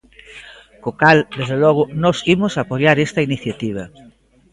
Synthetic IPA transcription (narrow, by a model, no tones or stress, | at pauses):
kokald̪ezðelɔɣ̞ʊnɔsimʊsapojaɾest̪ɐiniθjat̪iβ̞ɐ